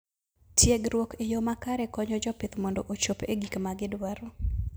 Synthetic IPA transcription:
tjeɡɾwɔkɪjɔmakaɾɛkɔɲɔd͡ʒɔpɪt̪mɔndɔʔot͡ʃopḛɡikmaɡɪdwaɾo

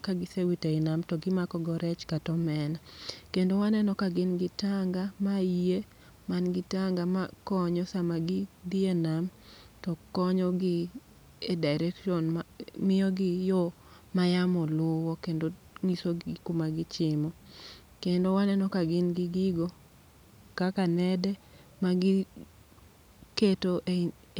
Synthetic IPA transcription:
kaɡɪsewiteɪnamtɔɡɪmakɔɡɔɾɛt͡ʃkatɔmɛnakendowanɛnɔkaɡɪnɡɪtaŋɡamaije | manɡɪtaŋɡamakɔɲɔsamaɡɪd̪ienam | tɔkɔɲɔɡɪ | edaɪɾɛkʃɔnmamɪjɔɡɪjɔ | majamɔlʊwɔkendo | ŋisokomaɡɪt͡ʃɪmɔ | kendowanɛnɔkaɡɪnɡɪɡɪɡo | kakanɛdɛmaɡɪ | ketoʔ

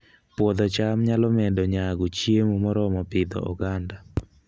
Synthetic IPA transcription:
pwɔd̪ɔt͡ʃamɲalɔmɛdɔɲaɡɔt͡ʃjemumɔɾɔmɔpɪd̪ɔ̰ʔɔ̰ɡanda

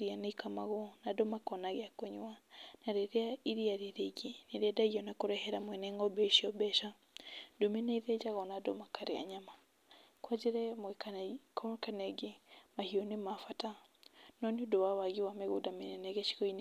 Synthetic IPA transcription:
ɾianaikamaɣɔnadomakɔnaɣeakoɲwanaɾeɾeaiɾiaɾeɾeɡeneɾɛdaiɔnakoɾɛhɛɾamwɛnɛŋɡɔbɛʃiɔbɛʃa | domɛnaiðɛd͡ʒaɣɔnado̰makaɾea̰ɲama | kwad͡ʒeɾɛmɛkkkanɛɡemahiɔnemafatanɔniodowawaɣiwameɣudamenɛnɛɣɛʃi̥kɔine

